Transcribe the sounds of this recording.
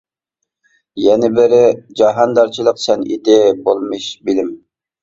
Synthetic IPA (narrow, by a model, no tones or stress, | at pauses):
jɛnɪbɪɾɪd͡ʒɑɦɑnd̪ɑɾt͡ʃʰilˠəqsɛnḭd̪ɪbolˠmɨʃbɪlɪm